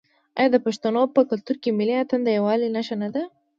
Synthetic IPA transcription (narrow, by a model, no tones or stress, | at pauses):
ɑ̰jɑd̪əpaʃt̪anopəkʊlt̪uɾkemɪliat̪and̪əjawɑlinaʃanad̪a